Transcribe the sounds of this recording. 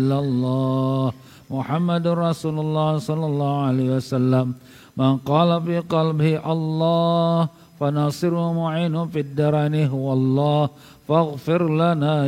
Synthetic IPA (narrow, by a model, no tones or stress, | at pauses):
lːalˤːɑːh | mʊħamːadrˤɑsuːlʊlːɑhsɔlːɑlːɑːhualeːhiwasalːamː | anqɑːlafiːqɑlbɪhʔalˤːɑːh | fanɑːsɪɾʊhʊmʊʕiːnʊfid̪ːaɾˤanɪɦʊwalˤːɑːh | faɣfɪɾlanaː